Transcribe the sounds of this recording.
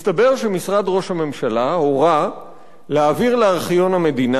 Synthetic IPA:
ist̪abe̞ʁʃemisʁadʁo̞ʃhame̞mʃalahoʁa | leaːviʁleaʁχjo̞nhame̞dina

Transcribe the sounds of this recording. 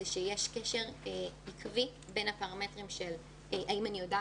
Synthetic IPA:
eʃejeʃkeʃe̞ʁikʰvibe̞nhapaʁametʁimʃel | ʔaimanijo̞da

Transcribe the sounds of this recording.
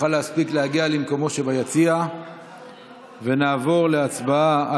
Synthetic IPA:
alehaspiklehaɡialemko̞mo̞ʃe̞bajat͡sia | ve̞naːvo̞ʁle̞at͡sbaaa

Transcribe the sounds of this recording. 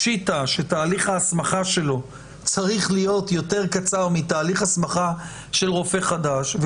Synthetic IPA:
ʃitaʃetaːliχaːsmaχaʃe̞lo̞ | t͡saʁiχlijo̞tjo̞te̞ʁkat͡saʁmitaːliχasmaχa | ʃe̞lʁo̞feχadaʃv

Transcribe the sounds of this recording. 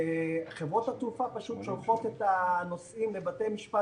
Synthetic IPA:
χevʁo̞t̪hat̪ufapaʃut̪ʃolχo̞t̪et̪ano̞simlebatemiʃpa

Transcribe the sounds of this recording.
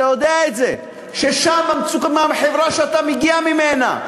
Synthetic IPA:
ajod̪eaet̪ze | ʃeʃamːamt͡sukmamħevʁaʃeat̪ameɡiamimena̰

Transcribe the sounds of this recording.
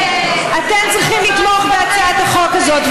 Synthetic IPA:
at̪ɛmt͡sʁiχimlit̪lɔχbeat͡saat̪aχɔkazɔt̪v

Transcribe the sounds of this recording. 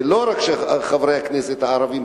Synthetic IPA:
loɾakʃeχavɾejhaknɛset̪haːɾavim

